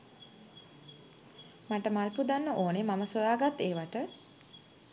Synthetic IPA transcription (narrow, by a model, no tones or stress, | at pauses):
maʈəmalpud̪anːəʔoːnemaməsojaːɡat̪ːeːʋaʈə